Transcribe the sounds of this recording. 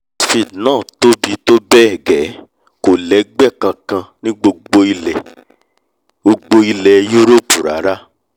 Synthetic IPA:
fi˨dnãː˦˨to˦bi˧to˦bɛ˦ɛ˦˨ɡɛ˨˦ | ko˨lɛ˨˦ɡ͡bɛ˦˨kã˧kã˧nĩ˦ɡ͡bo˧ɡ͡bo˧i˧lɛ˨ | o˧ɡ͡bo˧i˧lɛ˨jo˦ɾo˦˨pu˨ɾa˨˦ɾa˦

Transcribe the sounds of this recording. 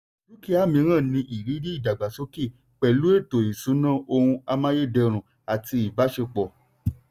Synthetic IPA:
ɾu˦ki˦a˦˨mĩ˧˦ɾ̃ã˦˨nĩ˧ʔi˨ɾi˨˦ɾi˦i˦˨da˨ɡ͡ba˨so˦ki˦˨ | k͡pɛ˨lu˦e˦˨to˨i˨su˨˦nã˦˨o˧hũ˧a˧mã˦je˦˨dɛ˧ɾ̃ũ˨ | a˨ti˧i˨ba˨˦ʃe˧k͡pɔ˨

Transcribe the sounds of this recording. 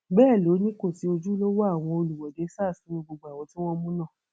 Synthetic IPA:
bɛː˦˨lo˨˦nĩ˦ko˦˨si˨˦o˧d͡ʒu˦lo˦wɔ˦a˦˨w̃ɔ̃˧o˧lu˨wɔ˨de˨˦saː˦˨sũ˨˦ĩ˧ɡ͡bo˧ɡ͡ba˨w̃ɔ̃˧tĩ˦w̃ɔ̃˦mũ˦nã˦˨

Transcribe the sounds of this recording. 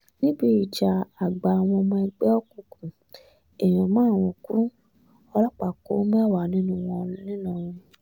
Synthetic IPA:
nĩ˦bi˦i˨d͡ʒa˨a˨ɡ͡ba˨w̃ɔ̃˧mɔ̃˧ɛ˧ɡ͡bɛ˦ɔ˦kũ˨˧˨kũ˨ | e˨ĩ˨ɔ˨mãː˦˨w̃ɔ̃˧˨kũ˦ | ɔ˧lɔ˦k͡pa˨ko̰˨˦mɛ̃˦a˦˨wa˨nĩ˦nũ˦˧w̃ɔ̃˧˦nĩ˦nã˦˨ĩ˧

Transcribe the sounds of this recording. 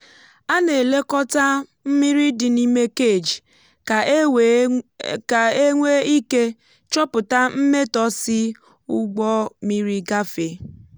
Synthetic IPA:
a˦ne˨le˦kɔ˦ta˦m̩˦mi˦ɾi˦dɪ˨ni˦me˦ke˦˨d͡ʒ | ka˨˦ | a˨e˦ŋʷe˦i˦ke˦ | t͡ʃɔ˦pʊ˨ta˦m̩˦me˦tɔ˦sɪ˦ | ʊ˦ɡ͡bɔ˦mi˦ɾi˦ɡa˦fe˨

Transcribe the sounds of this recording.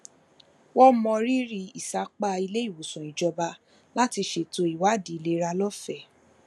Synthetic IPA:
wɔ˦mɔ̃˧ɾi˦ɾi˧i˨sa˨˦k͡pa˦˧i˧le˦i˦˨wo˨sɔ̃˨i˨d͡ʒɔ˧ba˧ | la˦ti˧ʃe˧˨to˧˦i˦˨wa˨˦˨di˨˦˨le˦ɾa˧lɔ˦fɛ˦˨

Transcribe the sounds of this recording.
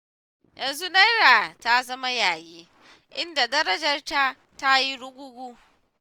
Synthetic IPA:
jɐ˨nzu˦na˦jɾaː˨ta˦zɐ˦ma˦jaː˨jeː˦ | ʔɪ˦nda˨dɐ˦ɾɐ˦d͡ʒɐ˨rta˦ | ta˦ji˦ɽʊ˦ɡʷʊ˦ɡʷuː˦

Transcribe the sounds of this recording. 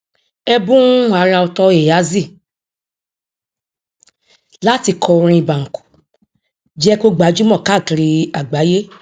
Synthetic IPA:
ɛ˧bũ˦a˨˦ɾa˧ɔ˧tɔ˧e˨ja˨˦zi˦˨ | la˦ti˧kʰɔ˧ɾ̃ĩ˧i˧ba˨ŋ̩˨ku̥˨ | d͡ʒɛ˦ko˦ɡ͡ba˨˦d͡ʒu˦mɔ̃˦˨ka˦˨ki˨˧ɾi˧a˨ɡ͡ba˨˦je˦

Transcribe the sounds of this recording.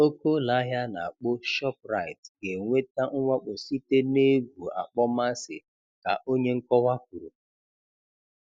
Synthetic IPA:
o˦ko˦la˨˦ɦja˦na̰˨a˨k͡po˦ʃɔ˦p̚ɾa˨ɪ˨tɡe˨ŋʷe˦ta˦ŋ̩˦ŋʷa˦k͡po˨si˦te˦ne˦ɡʷu˨a̰˨k͡pɔ˦ma˦sɪ̰˨ | ka̰˨ʔo˦ɲe˦ŋ̩˦kɔ˦wa˦k̚u˨ɾu˨

